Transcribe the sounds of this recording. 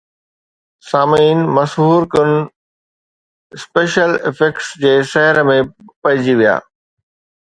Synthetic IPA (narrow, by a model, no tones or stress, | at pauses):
saːmiːnmɐsɦuːɾkɐñ̆ | ɪspeːʃəlɪ̰fekʈsd͡ʑeːsɐɦəɾəmẽpɐɦɪd͡ʑiʋija̰ː